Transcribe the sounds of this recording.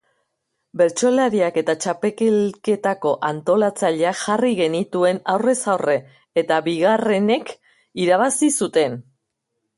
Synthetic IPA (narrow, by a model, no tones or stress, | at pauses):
be̞ɾt͡ʃo̞laɾiake̞t̪at͡ʃape̞kelke̞t̪ako̞ʔant̪o̞lat͡saʎe̞aʝariɣe̞nit̪ue̞nawre̞sawre̞ː | t̪aβiɣ̞are̞ne̞k | iɾaβ̞asisut̪e̞n